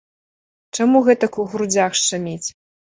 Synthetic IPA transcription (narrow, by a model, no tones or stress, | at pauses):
t͡ʂamuɣɛt̪ɐkuɣɾud͡zʲaxʂt͡ʂamʲet͡sʲ